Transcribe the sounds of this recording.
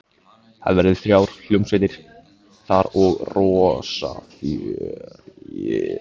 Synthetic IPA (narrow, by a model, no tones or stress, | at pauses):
haðvɛɾɪðfɾjaːwɾ̥l̥ʏmsveːt̪ɪɾ̥ | θaɾɔɣrɔsa̰fj | ɪ